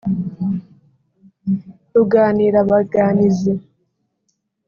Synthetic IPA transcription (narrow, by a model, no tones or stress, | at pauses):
tuɡaːniːɾaβaɡaːnize